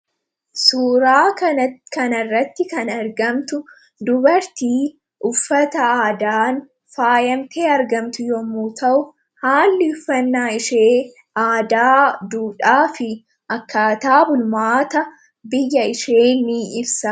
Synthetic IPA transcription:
suːɾaːkɐnɐrːɐt̪ːɪkɐnɐɾɡɐmt̪ʊ | d̪ʊbɐɾt̪iː | ʔʊfːɐt̪ɐaːd̪aːn | faːjɐmt̪ʰeːɐɾɡɐmt̪ʊjɔmuːt̪ʰɐʔʊ | haːlːɪʊfːɐnːaːɪʃeː | ʔaːd̪aːd̪uːᶑaːfɪ | ʔɐkːaːt̪aːbʊlmaːt̪ɐ | bɪjːɐɪʃeːnːiːɪbsɐ

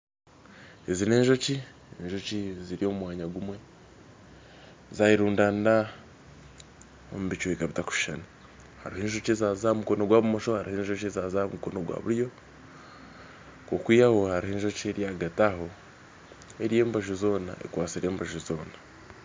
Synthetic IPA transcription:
ezine̞ːɲʒo̞ci | enʒo̞ciziɾio̞ːmumwaːɲaɡumwe̞ | zajiɾuːndaːnda | o̰muβit͡ʃuekaβitakuβi̥ʃana | ha̰ɾiheːnʒo̞cezaːzamuko̞noɡwaβumoʃo̞haɾiheːɲʒocezaːzamuko̞noɡwa̰βṵɾjo̞ | ko̞kwijaho̞haɾiheːnʒo̞cieɾjaɡataɦo̞ | e̞ɾije̞ːmbaʒuzo̞ːna̰ʔḛkwaːt͡siɾe̞ːmbaʒuzo̞ːna

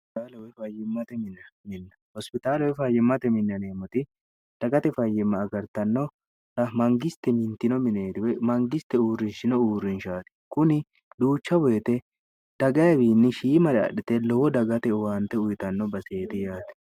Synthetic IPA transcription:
ɪt̪aːlɐwɛfɐjɪmːɐt̪ɛmɪnːɐmɪnːɐ̥hɔspɪt̪aːlɐwɛfɐjːɛmːɐt̪ɛmɪnːɐneːmɔt̪ɪ | d̪̥ɐɡɐt̪ɛfɐjːɛmːɐːɡɐɾt̪ɐnːɔ | ɐmɐŋɡɪst̪ɛmɪnt̪ɪnɔmɪneːt̪ɪwɛmɐŋɡɪst̪ɛuːɾːɪnʃɪnɔuːɾɪnʃaːt̪ɪ̥kʊnɪ | d̪uːt͡ʃːɐbɔjɛt̪ɛ | d̪̥ɐɡɐjɐbiːnːɪʃiːmɐɾɛɐ̰ɗᶑɪt̪ɛlɔwɔd̪ɐɡɐt̪ɛwant̪ɛʊjt̪ɐnːɔbɐseːt̪ɪjaːt̪ɛ̥

